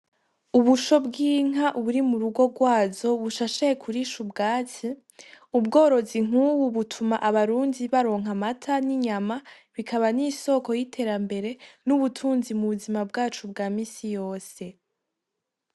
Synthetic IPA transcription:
uβuʃo̞bɡiːŋ̥aʔuβuɾimuɾuɡo̞ɡwaːzo̞βuʃaʃejekʰuɾiʃubɡaːt͡si | ubɡo̞ːɾo̞ziŋ̥uwuβutʰumaʔaβaɾuːndiβaɾo̞ːŋɦamatʰaniɲama | βikʰaβaniso̞ko̞jitʰe̞ːɾambe̞ɾe̞nuβutʰuːnzimuβuzimabɡaːt͡ʃubɡaːmiːsijo̞ːse̞

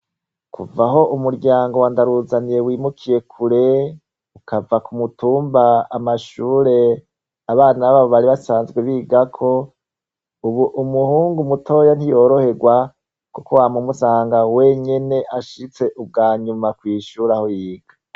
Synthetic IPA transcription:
kṵvaɦo̞ʔumuɾɟaːŋɡo̞wandaɾuzaniɾewiːmukʰije̞kʰuɾe̞ | ukavakumutuːmbaamaʃuːɾe̞ | aβaːnaβaβo̞βaɾiβasaːnzɡweβiːɡakʰo̞ | uβuʔumuhuːŋɡumutʰo̞ːjan̥hijo̞ːɾo̞he̞ɡwa | kukowamumusaːŋɡawe̞ɲe̞ne̞ʔaʃit͡se̞ʔub̚ɡaːɲumakwiːʃuɾaho̞jiːɡ̥a

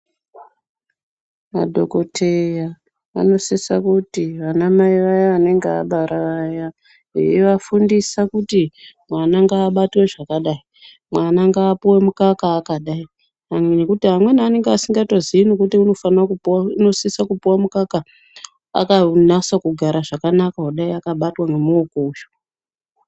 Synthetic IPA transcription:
ma̰dʱo̞ko̞tʰeja | a̰no̞sisakutiʋanamaiʋajaːne̞ŋɡea̰ɓaɾaʋaja | ɦḛjḛʋafundisakutimwanaŋɡaːɓatwe̞ʐakaɗai | mwanaŋɡaːpuwe̞mukakaːkaɗai | anekutiɦamwe̞naane̞ŋɡasiŋɡato̞ziino̞kutiuno̞fanakuuno̞sisakupiwamukaka | a̰kanasakuɡʱaɾaʐakanakaɦoɗaiakaɓatwanemuokoːʒo̥

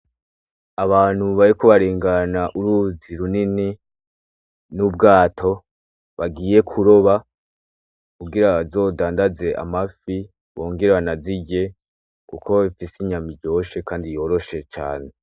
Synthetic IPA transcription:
aβaːn̥huβajiko̞βaɾeːŋɡanaʔuɾuziɾunini | nubɡaːtʰo̞ | βaɡiːje̞kʰuɾo̞βa | kubɡiɾazo̞ːdaːndaze̞ʔa̰mafi | βo̞ːŋɡeɾanaziɟe̞ | kuko̞ifisiɲamiɟo̞ːʃe̞kaːndijo̞ːɾo̞ʃe̞t͡ʃa̰ːne̞

